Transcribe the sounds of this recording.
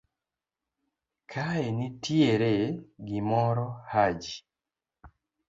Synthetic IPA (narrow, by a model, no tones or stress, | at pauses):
kʰaenitjeɾeɡimɔɾɔhad͡ʒi